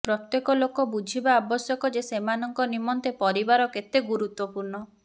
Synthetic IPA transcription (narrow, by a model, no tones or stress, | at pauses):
pɾɔt̪jekɔlokɔbud͡ʒʱibaːbɔsjɔkɔd͡ʒesemanɔŋkɔnimɔnt̪epɔɾibaɾɔket̪eɡuɾut̪wɔpuɾɳɔ